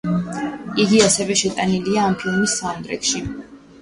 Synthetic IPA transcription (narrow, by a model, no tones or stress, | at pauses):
iɡiasɛvɛʃɛt̪ʼaniliaːmpʰilˠmisːand̪ɾɛ̰kʃi